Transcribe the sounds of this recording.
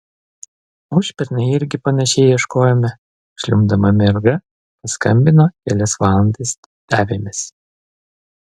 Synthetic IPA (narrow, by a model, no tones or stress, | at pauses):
ʊʃʲpʲɛɾʲnʲɐɪɪɾʲɡʲɪpɐnʲɛʃʲeːjɪʃkoːjɛmʲɪ | ʃʲlʲʊmd̪ɐmɐmʲɛɾɡɐ | pɐskɐmʲbʲɪnoːkʲɛlʲɛsʋɑːlˠɐnt̪ɐs | d̪̥ʲæːʋʲemʲɪs